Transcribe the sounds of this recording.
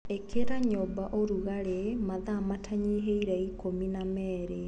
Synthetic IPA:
ekʰeɾaɲobaʔoɾuɣaɾemaðamatʰaɲiɦeiɾɛikominamɛːɾe

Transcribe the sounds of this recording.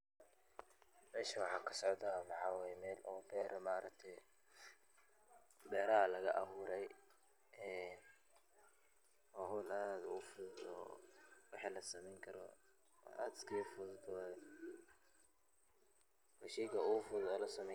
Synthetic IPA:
mɛːʃiwɑħɑːkʰɐ̥sɔʕd̪ɐmɑħaːwajɛmɛːlʔɔːbɛːɾʔmaːɾɐk̚t̪ʰɛj | bɛːɾɐɦɐlɐɣɐ̰ʔɐhuːɾɛj | ʔɛːn | ɔɦʊːlaːd̪ʊɣʊfʊðd̪ɔ̰wɑħiːlɐsɐmɛjŋkʰɐɾɔ̰ | ʔa̰ːd̪skʰiːfʊðd̪ɔ | wɑʃɛjkɐʊɣʊfʊðɔlɐsɐmɛ

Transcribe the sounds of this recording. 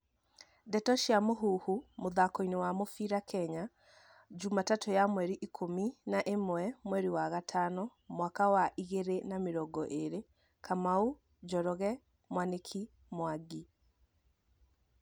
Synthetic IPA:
dɛtɔʃiamoɦuːhumoðakoinewamofiɾakʰɛɲa | d͡ʒumatatojamwɛɾiʔikʰominaʔemoɛmwɛɾiwaɣatʰanɔmwakawaʔiɣeɾenameɾɔɡɔʔeɾe | kamau | d͡ʒɔɾɔɣɛ | mwanekʰi | mwaɡi

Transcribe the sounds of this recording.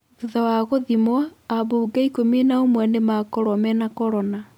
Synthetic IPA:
ðuðawaɣoðimwaːβuːɡaikomenaomwɛnemakɔɾɔmɛnakɔɾɔna

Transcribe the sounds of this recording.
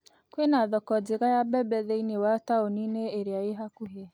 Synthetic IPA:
kwenaðɔkɔdeɣajabɛbɛðeinewataonineeɾeaeɦakuɦɛ

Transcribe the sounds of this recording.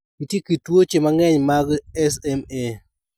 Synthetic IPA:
ɡitjekitwot͡ʃemaŋɛɲmaɡɛsɛme

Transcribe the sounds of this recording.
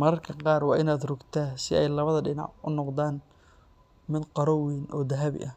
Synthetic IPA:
mɐɾɐrkʰɐqɑːrwɑːʔɪnaːd̪rʊɡt̪ʰaːsɪʔɛjlɐβɐðɐɖɪnɑ̰ʕʔʊnɔqd̪aːn | mɪd̪qɑɾɔwiːnʔɔːd̪ɐɦaβɪ̰ʔɐ

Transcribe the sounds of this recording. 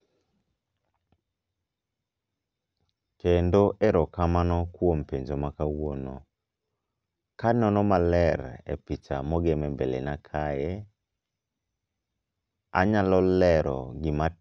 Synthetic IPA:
kendoʔɛɾɔkamanɔkwompeɲd͡ʒomakawono̰ | kanɔnɔmalɛɾḛpit͡ʃa̰mɔɡɛmɛmbelḛnakʰajɛ | a̰ɲalɔlɛɾɔ̰ɡɪma

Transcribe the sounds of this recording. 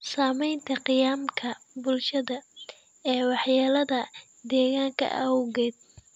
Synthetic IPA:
saːmɛjnt̪ʰɐqɪjaːmkʰɐbʊlʃɐðɐ | ɛːwɑħjaːlɐðɐ | d̪ɛːɣaːŋkʰɐ̰ʔɐʊɣɛːd̪̚

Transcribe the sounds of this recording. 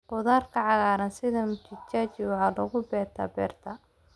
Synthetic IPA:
qʊðaːrkʰɐʕɑɣaːɾɐnsɪðɐmʊt͡ʃɪt͡ʃaːt͡ʃɪwħɑlɔɣʊbɛːt̪ʰɐ̰bɛ̰ːrt̪ʰɐ

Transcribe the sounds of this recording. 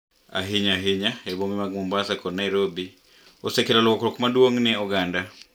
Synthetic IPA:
a̰ɦɪɲaɦɪɲaɛbomimaɡ̚mombasakɔnajɾobi | osɛkelalowɔkɾɔkmadwoŋnɛɔɡanda

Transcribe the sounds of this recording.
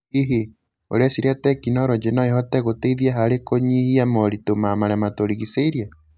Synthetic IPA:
iɦe | o̰ɾeasiɾeatɛkinɔoɾɔd͡ʒenɔehɔtɛɣoteiðiaɦaɾekoɲihiamɔɾitomamaɾɛmatoɾiɣiseiɾia

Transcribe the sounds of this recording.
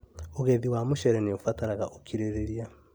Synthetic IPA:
oɣeðiwamoʃɛɾɛneofataɾaɣaʔokʰiɾeɾeɾia

